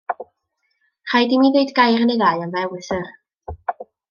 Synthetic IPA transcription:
r̥ajdimiðejdɡajɾənejðajanvɛwɪθər

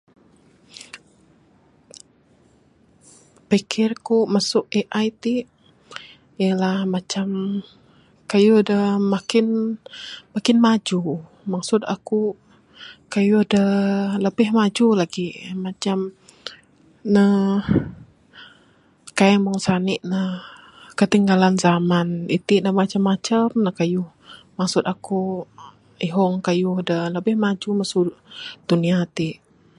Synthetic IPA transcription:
pəkʰɪrkumasʊʔeʔajt̪iʔ | jəlahmat͡ʃam | kajudəmakɪn | makɪnmad͡ʒu | mak̚sʊt̪aku | kajudələbɪhmad͡ʒulaɡimat͡ʃam | nə | kaəmɔŋsanɪʔnə | kət̪iŋɡalanzamanit̪iʔnəmat͡ʃamːat͡ʃəmnəkajʊh | mak̚sʊt̪aku | iɦɔŋkajuhdələbɪhmad͡ʒumasʊd̥uniat̪iʔ

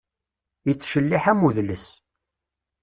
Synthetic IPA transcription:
jət͡sːʃəlːiħæmuðləs

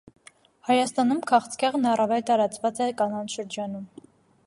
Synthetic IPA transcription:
hɑjɑst̪ɑnumkʰɑχt͡skɛʁnɑrɑvɛlt̪ɑɾɑt͡svɑt͡sɛkɑnɑnʃəɾd͡ʒɑn̪um

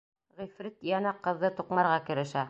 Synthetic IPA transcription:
ʁifɾit̪jɑnɑqːɤ̆ðːɤt̪uqmɑɾʁɑkɘ̆ɾɘ̆ʃæ

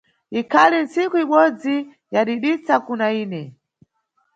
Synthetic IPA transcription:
ikʰalin̩sikuiɓɔd͡zi | jaɗiɗit͡sakunaiːnɛ

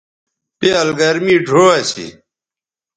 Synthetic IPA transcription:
pjalɡɐɾmiːɖʱoːasḭ

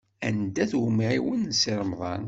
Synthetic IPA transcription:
ænd̪æθwʊmʕiwənːsiɾˤəmðˤɑ̰n

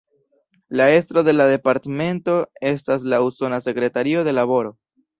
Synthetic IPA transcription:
lae̞stɾo̞de̞lade̞paɾteme̞nto̞e̞stas̬lauso̞nase̞kɾe̞taɾio̞de̞laβo̞ɾo̞

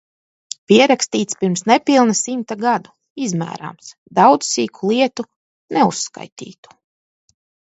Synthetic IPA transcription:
piɛɾakst̪iːt̪spiɾmsnɛpilˠnasimt̪aɡad̪u | izmæ̰ːɾa̰ms | d̪awd̪z̥siːkʰulˠiɛt̪u | nɛusːka̰jt̪ḭːt̪u̥

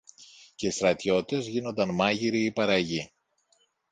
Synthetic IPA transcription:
ce̞ist̪ɾɐt̪ço̞t̪it̪e̞zʝino̞nd̪ɐnmɐʝiɾiːpɐɾɐʝi

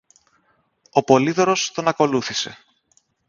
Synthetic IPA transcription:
o̞po̞liðoɾo̞st̪o̞nɐko̞luθise̞

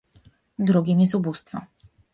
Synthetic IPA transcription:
d̪ɾuɡʲimjɛst̪ubust̪fɔ

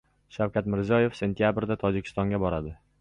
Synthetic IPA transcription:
ʃawkʲat̪mɪɾzɒje̞fse̞nt̪ʰijabɾd̪at̪ʰɒd͡ʒɪkʲʰɪ̥st̪ɒŋɡʲabɒɾad̪ɪ

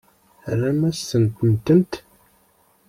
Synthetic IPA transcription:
ræmæsənkənt̪ənt̪

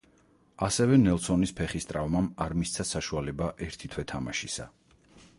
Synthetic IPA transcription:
asɛvɛnɛlˠsɔnispʰɛχist̪ʼɾavmamaɾmist̪sʰasaʃualɛbaʔɛɾt̪ʰit̪ʰwɛt̪ʰamaʃisa̰

